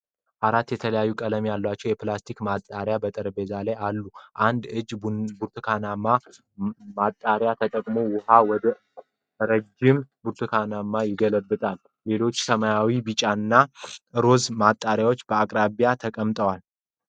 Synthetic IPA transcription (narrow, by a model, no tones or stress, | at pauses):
ʔaɾat̪ːjɛt̪ʰələjajːukʼələmjalːat͡ʃːɛwjɛplast̪ʰikmat̪ʼːaɾjabət̪ʼɨɾbe̞zalajalːuʔand̪ɨd͡ʒbuɾt̪ʰɨkʰanama | mat̪ʼːaɾjat̪ʰət̪ʼəkʼmo̞wʊhawɔd̪ə | ɾəd͡ʒːɪmbuɾt̪ʰɨkʰanamːajɪɡələbːɨt̪ʼalːe̞lo̞t͡ʃːsəmajawibɨt͡ʃʼanːaʔɨɾo̞zmat̪ʼːaɾjawo̞t͡ʃːb̥əakʼɾaβjat̪ʰəkʼəmt̪ʼəwal